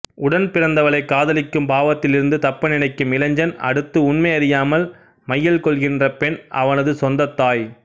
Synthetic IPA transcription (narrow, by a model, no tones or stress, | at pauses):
ʊɽɐnpɪrɐnd̪ɐʋɐɭɐɪkːaːðɐlɪkːɯmbaːʋɐt̪ːɪlɪɾɯnd̪ɯt̪ɐpːɐnɪnɐɪkːɯmɪlɐɲd͡ʒɐnɐ̰ɽɯt̪ːɯʊnmɐɪɐɾɪjaːmɐl | mɐjːɐlkɔɭɣɪndrɐpɛnʔɐ̰ʋɐnɐðɯsɔnd̪ɐt̪ːaːj